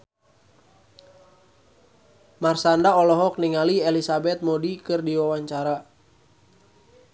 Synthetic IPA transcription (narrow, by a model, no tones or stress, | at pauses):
marsandaɔlɔɦɔk̚niŋaliɛlisabɛt̪̚modikɨrdiwawaɲt͡ʃaɾa